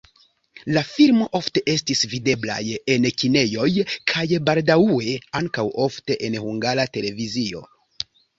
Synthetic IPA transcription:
lafilmo̞ʔo̞fte̞ʔe̞stisvide̞bla̰je̞nkine̞jo̞jkʰajbaldawue̞aŋkawo̞fte̞ʔenhuŋɡaɾate̞le̞vizio̞̰

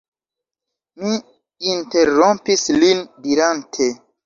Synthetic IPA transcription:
miː | nte̞ɾompislindiɾantʰe

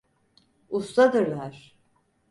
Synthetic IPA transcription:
ust̪ad̪ɯɾlˠaɾ̥

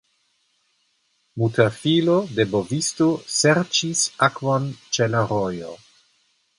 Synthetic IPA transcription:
mutafilodebovistoseɾt͡ʃisakvont͡ʃelaɾojo̰

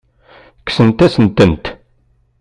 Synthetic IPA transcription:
kːsənt̪æsənt̪ənt̪

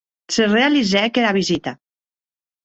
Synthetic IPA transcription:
serealizɛkeɾaβizit̪a

